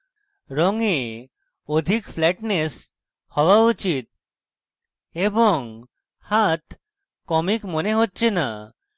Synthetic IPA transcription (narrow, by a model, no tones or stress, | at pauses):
ɾɔŋe | od̪ʱikfʰlɛʈnes | hɔwaut͡ɕit̪̚ | eboŋ | hat̪ | kɔmikmoneɦotːɕʰena